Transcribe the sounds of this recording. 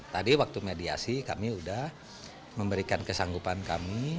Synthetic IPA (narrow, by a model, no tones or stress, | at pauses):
t̪adiwak̚t̪umedia̰sika̰miudah | məmbəɾikankəsaŋɡupanka̰mi